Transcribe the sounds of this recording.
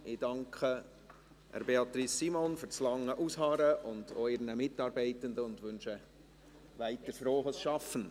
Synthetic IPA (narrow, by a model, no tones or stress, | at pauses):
ʔɪd̥ɑŋkʰχə | æ̰ɾbeɑt̪ɾisːimonfʏɾt͡slɑŋːəʔushɑːɾəʔʊnd̥oɪɾnəmɪtːɑːɾbɛɪtənd̪əʊndʋʉnʃə | ʋæɪt̪əɾfɾoːχəsʃɑfən̩